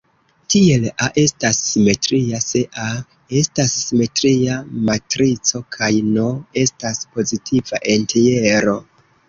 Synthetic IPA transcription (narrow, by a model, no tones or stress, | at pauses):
tie̞laʔe̞stasːime̞tɾiase̞ʔa | e̞stasːime̞tɾiamatɾit͡so̞kʰajno̞e̞staspo̞zitʰivaʔe̞ntʰeje̞ɾo̞